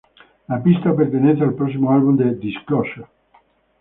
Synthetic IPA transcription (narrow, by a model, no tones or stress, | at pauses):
lapist̪apert̪enɛ̃nθealpɾɔs̬ːimoalbumd̪ed̪iskɔʃa